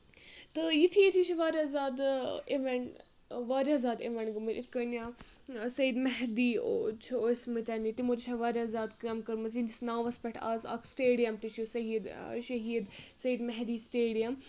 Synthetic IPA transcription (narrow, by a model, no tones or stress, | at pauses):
t̪ɨjit̪ʰijit̪ʰit͡ʃʰiʋaːɾʲazaːd̪eʋeɳ | ʋaːɾʲazaːd̪eʋɐɳɡɐmiɾʲʔit̪ʰkɐnʲaːsɐid̪mɐɦd̪iːot͡ʃʰioːsmɨt̪ʲɐnit̪imotit͡ʃʰaːʋaːɾʲazaːd̪kɐmkɐɾmɐs̬ind͡ʒisnãːʋɐspɛʈʰa̰ːza̰kʰsʈeːɖijɐmt̪iʃʰjusɐɦiːd̪ʃɐɦiːd̪sɐiːd̪mɐɦd̪iːsʈeːɖijɐm